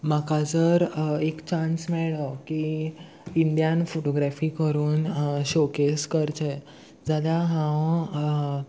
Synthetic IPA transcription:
makad͡zəɾekt͡ɕãnsmɛɭəki | ind̪jãnfoʈoɡɾafikəɾuːnɕokeskəɾt͡ɕe | d͡zad̪aɦãw

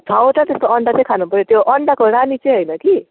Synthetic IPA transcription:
d̪ʱawʈat̪est̪oʌɳɖat͡sʌ̃j̃kʰanupʌɾjot̪joʔʌɳɖakoɾanit͡sʌj̃ɦʌjnʌki

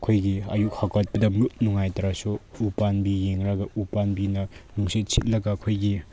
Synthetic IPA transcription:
kʰojɡiɐ̰juk̚hakʰat̚pɐdɐmut̚nuŋajtɐɾasuupanbijeŋɾaɡɐupanbinɐnuŋsit̚sit̚lɐɡakʰojɡi

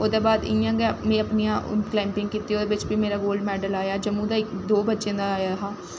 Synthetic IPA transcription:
oːd̪eːbaːd̪ɪ̰jãːɡɛmẽːəpnijã̰ːklɛːmpɪ̃ŋɡkiːt̪ːiːoːd̪eːbɪt͡ʃbiːmeːɾaːɡoːlmɛːɖəlaːjaːd͡ʒəmːũːd̪aːɪkd̪oːbətːʃẽːd̪aːaːjaːɦaː

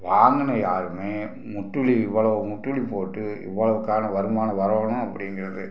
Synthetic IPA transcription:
ʋaːŋɡɐnɐjaːɾɯmeː | mʊʈːɯɭiɪʋːɐɭɐʋɯmʊʈːɯɭipoːʈːɯɪ̰ʋːɐɭɐʋɯkːaːnɐʋɐɾɯmaːnɐʋɐɾɐʋɳʊ̃ɐpːɐɽɪŋɡɪɾɐðɯ

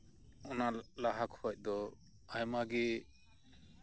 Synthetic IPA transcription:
ɔnalaɦakhɔc̚ˀd̪ɔ | ajmaɡɛ

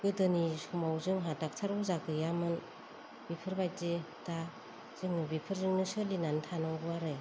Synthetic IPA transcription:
ɡɯdɯnisumawzɯŋɦatak̚tʰaɾbɯzakʰɯjamɯn | bipʰɯɾbajtzeta | z̥ɯŋnɯbipʰɯɾzɯŋnɯsɯlinantʰanaŋbɯwaɾɯ

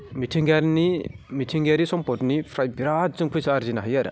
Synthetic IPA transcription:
mitʰiŋɡaɾnimitʰiŋɡeɾisɔmpɔtnipʰɾajbiɾat̚zɯŋpʰɯjsaːɾzinaɦɯjaɾa̰

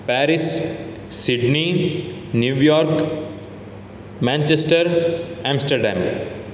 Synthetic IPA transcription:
pæːɾis | siɖninjuːjɔːɾk | mæ̃nt͡ʃesʈəɾɛ̃msʈəɾɖæ̰̃m

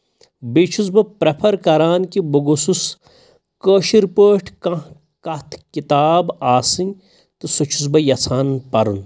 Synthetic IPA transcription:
bet͡ʃʰusbɐpɾepʰɐɾkɐɾaːnkiboɡosus | kəːʃiɾpəːʈʰkɐ̃ | kɐt̪ʰkit̪aːbaːsɨ̃n | t̪ɨsut͡ʃʰu̥s̬bɐjɐt͡sʰaːnpɐɾun

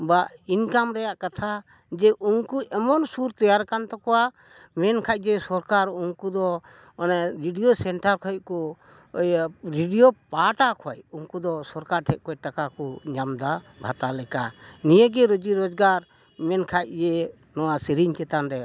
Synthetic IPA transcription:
bainkamɾɛjaʔkat̪ʰa | d͡ʒɛʔuŋkuʔɛmɔnsuɾt̪ɔjaɾkant̪ɔkɔwa | mɛnkʰac̚ˀd͡ʒɛsɔɾkaɾuŋkud̪ɔ | ɔnaɾiɖijosɛɳʈaɾkʰɔj̚kɔ | jɾiɖijopaʈakʰɔjuŋkud̪ɔsɔɾkaɾʈʰɛʔ̚kʰɔjʈakakɔɲamd̪a | bʱat̪alɛkanijəɡɛɾod͡ʒiɾɔd͡ʒɡaɾ | mɛnkʰac̚d͡ʒɛ | nɔwasiɾiɲt͡ʃɛt̪anɾɛaʔ

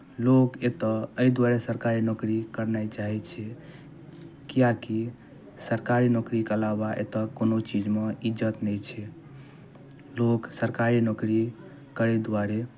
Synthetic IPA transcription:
loket̪ɔəid̪waɾesəɾkaɾinokɾikəɾnajt͡ʃaɦɛt͡ʃʰɛ | kijaki | səɾkaɾinokɾikəlabaʔḛt̪ɔkonot͡ʃid͡ʒmeid͡ʒət̪nɛjt͡ʃʰɛ | loksəɾkaɾinokɾi | kəɾed̪waɾe

